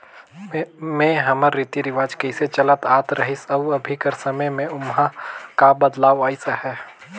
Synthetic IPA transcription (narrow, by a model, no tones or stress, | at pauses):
mẽɦɐməɾːit̪iɾɪʋaːd͡ʒkəɪset͡ʃɐlət̪aːt̪ɾəɦɪsɐʋɐbʱikəɾsɐməjmẽʊmɦakabəd̪laːʋaːɪsahɛː